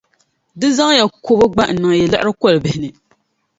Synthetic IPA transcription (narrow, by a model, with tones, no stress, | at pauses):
dɨ˦za˦ŋ˦ja˨ko˦ba˦ɡ͡ba˦n̩˨nɨ˨ŋ˨jɛ˨lɨ˦ʔɨ˦ɾɨ˦kɔ˦lbɪ˨hɪ˨nɨ˨